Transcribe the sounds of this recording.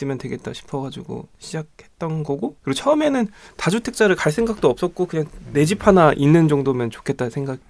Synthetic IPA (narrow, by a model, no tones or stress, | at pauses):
ɯmjʌntwe̞ɡe̞t̚t͈aɕʰi̥pʰʌɡad͡ʑuɡo̰ɕʰid͡ʑak̚he̞t̚t͈ʌnɡʌɡokɯɾiɡot͡ɕʰʌɯme̞nɯntad͡ʑutʰe̞k̚t͡ɕ͈aɾɯɭkaɭs̬͈e̞ŋɡak̚t͈oʌp̚s͈ʌt̚k͈okɯɲaŋne̞d͡ʑipʰanaʔinːɯnd͡ʑʌŋdomjʌnt͡ɕokʰet̚t͈ansʰeŋɡaɡi